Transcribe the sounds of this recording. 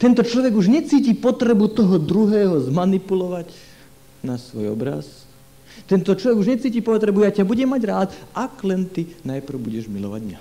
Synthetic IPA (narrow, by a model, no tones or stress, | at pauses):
t̪ɛnt̪ɔt͡ʃlɔʋɛɡuʒɲɛt͡siːcipɔt̪ɾɛbut̪ɔɦɔd̪ɾuɦɛːɦɔzmanipulɔʋaɟ | nasʋɔjɔ̰bɾa̰s | t̪ɛnt̪ɔt͡ʃlɔʋɛɡuʒɲɛt͡siːcipɔt̪ɾɛbujacabuɟɛmːaɟɾaːt̪ʔaklɛnt̪inajpr̩buɟɛʒmilɔ̰ʋa̰ɟd̪ɲa̰